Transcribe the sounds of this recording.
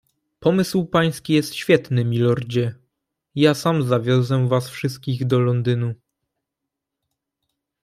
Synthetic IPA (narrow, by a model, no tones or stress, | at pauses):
pɔmɘswpaj̃skʲijɛst̪ɕfʲjɛt̪nɘmʲilɔɾd͡ʑɛ | jasamzavʲjɔzɛvasfʂɘst̪̚kʲiɣd̪ɔlɔnd̪ɘnu